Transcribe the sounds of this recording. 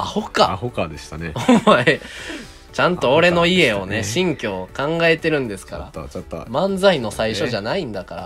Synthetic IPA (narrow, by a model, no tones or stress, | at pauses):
ahoka̰hokad̪eɕi̥t̪aneoa | t͡ɕãnt̪o̞ːɾe̞no̞ie̞o̞ne̞ɕĩŋkʲo̞ːkãŋɡae̞t̪e̞ɾɯ̟̃nd̪e̞sɨ̥kaɾa̰t̪ːa̰mãnd͡zaino̞saiɕo̞ʑanaĩnd̪akaɾa̰